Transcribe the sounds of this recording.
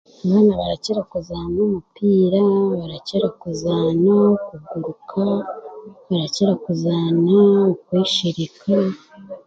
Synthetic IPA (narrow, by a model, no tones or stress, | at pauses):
aβaːnaβaɾaceɾakuzaːnomupiːɾaβaɾaceɾakuzaːnaokuɡuɾukʰa | βaɾaceɾakuzaːnaukwiːʃiɾikʰa